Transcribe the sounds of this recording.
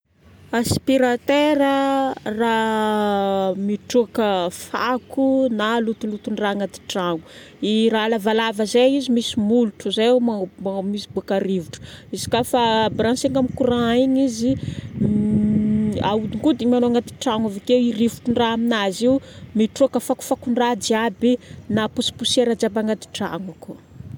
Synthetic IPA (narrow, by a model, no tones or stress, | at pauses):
aspiɾat̪eɾəra | miʈ͡ʂukəfakunalut̪ulut̪uɳraŋat̪i̥ʈ͡ʂaŋu | iralavalavəzeizimisimuluʈ͡ʂuzemammisibuakaɾivuʈ͡ʂu̥izi̥kafabɾanseŋamikuɾaiɲizi | a̰ud̪iŋɡud̪imanoaŋɡat̪i̥ʈ͡ʂaŋavekewirivuʈ͡ʂuɳraaminaziwmiʈ͡ʂokəfaku̥fakuɳɖ͡ʐad͡ʒiabinapusi̥puseɾad͡ʒabaŋat̪i̥ʈ͡ʂa̰ŋaku